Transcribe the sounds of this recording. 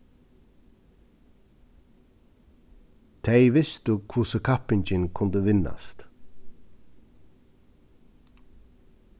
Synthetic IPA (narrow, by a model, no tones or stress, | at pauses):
t̪ʰɛjʋɪst̪ʊkʰʊsəkʰapɪɲt͡ʃɪnkʰʊnd̪əʋɪnːa̰st̪